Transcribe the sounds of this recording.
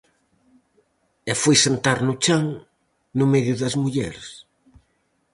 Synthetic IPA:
ɛfojsent̪aɾnʊt͡ʃaŋ | nʊmɛðjʊðɐzmuʎɛ̰ɾs

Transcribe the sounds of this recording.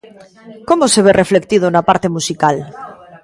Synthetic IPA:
komoseβ̞erefle̞k̚t̪iðonapaɾt̪e̞musikal

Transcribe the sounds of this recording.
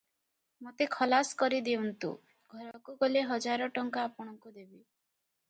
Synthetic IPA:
mot̪ekʰɔlaskɔɾid̪eunt̪ṵ | ɡʱɔɾɔkuɡoleɦɔd͡ʒaɾɔʈɔŋkaapɔɽ̃ɔŋkud̪ebi

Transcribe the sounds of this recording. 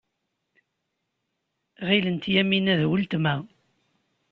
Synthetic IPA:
ʁilənt̪jæminæðwəlt̪mæ

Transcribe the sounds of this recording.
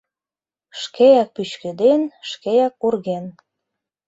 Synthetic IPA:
ʃkejæk̚pyt͡ɕkĕd̪enʃkejæk̚urɣen

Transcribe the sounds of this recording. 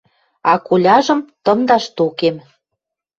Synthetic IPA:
ɑkulʲɑʒə̆mt̪ɤ̆md̪ɑʃt̪ukem

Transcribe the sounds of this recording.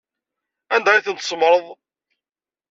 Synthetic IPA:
ænd̪æiθənt̪sˤmɾˤəðˤ

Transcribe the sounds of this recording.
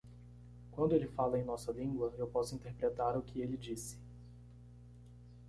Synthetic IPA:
kwɐ̃nd̪ʊelɪfalɐẽj̃nɔsɐlĩɡwɐewpɔsʊĩnt̪eɾpɾet̪aɾʊkʰɪelɪd͡ʒisɪ̥

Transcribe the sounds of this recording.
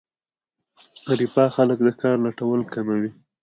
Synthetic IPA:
aɾipɑxalək̚d̪əkɑɾlaʈawəlkamawi

